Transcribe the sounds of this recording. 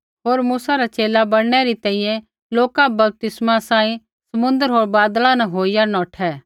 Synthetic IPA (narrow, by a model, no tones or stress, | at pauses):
ɦoːɾmuːsaɾat͡ʃeːlabɐɽɽ̃ɛɾit̪ɛ̃ːɦĩjɛ̃ | loːkabɐb̚t̪ɪsmasãːĩ | sɐmʊ̃nd̪əɾɦoːɾbaːd̪lanɛɦoːijanɔːʈʰɛː